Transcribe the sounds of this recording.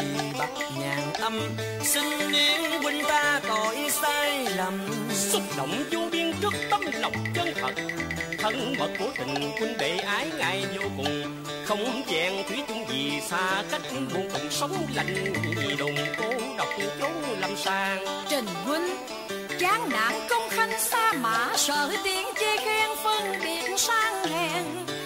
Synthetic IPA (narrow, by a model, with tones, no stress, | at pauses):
i˨˩ɓa˨˩t̚ɲaː˨˩ŋʔə˧m | sï˧ŋ̟ːi˧əŋwi˧ŋ̟t̪aː˧t̪ɔ˨˩ʔi˧nst̪aː˧jla˨˩m | sʊ˦˥k͡p̚lə̰˧˨wŋ͡mt͡ɕu˧˦ɓi˧ənt͡ɕɨ˦˥k̚t̪ə˧˥mlə˨˩wŋ͡m̚t͡ɕəː˧nt̪ʰə̰˨˩t̚t̪ʰə˧ŋmə̰ː˨˩t̚ku˧˩˦t̪ï˨˩ŋ̟kwi˧ŋɓe˧˨˩ʔaː˨˦jŋaː˨˩jzu˧kʊ˨˩ŋ͡m | xə˧wŋ͡mʔt͡ɕɛː˧˩ŋt̪ʰi˨˦t̪ʊ˧˦ŋ͡mzi˨˩saː˧ka˦˥jk̚lu˧˩əŋt̪ɨ̰˧˩sə˨˦wŋ͡mla̰˧˨jŋ̟˨˩ɲi˨˩ɗʊ̰˨ŋ͡mk̪o˨˦ɗə˨˩wk͡p̚t͡ɕo˨˦˥la˨˧˩msaː˧ŋt͡ɕe˨˩nkwï˧ŋ̟ | t͡ɕaː˨˦ŋna̰ː˨˩ŋkə˧wŋ͡mxa˧˩jŋ̟saː˧ma̰ː˧˩˦səː˧˨˩t̪i˧˨˥ənt͡ɕe˧xɛ˧ŋfə˧nɓḭ˨˩ətnsaː˧ŋhɛ˧ŋ